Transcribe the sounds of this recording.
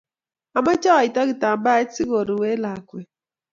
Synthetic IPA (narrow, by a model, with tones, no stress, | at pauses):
a˨ma˦t͡ʃɔ˦a˨i˨ta˦ɡi˨ta˨mba˦ɛ˦t͡si˦ɡo˨ɾu˨we˦la˨kwɛ˨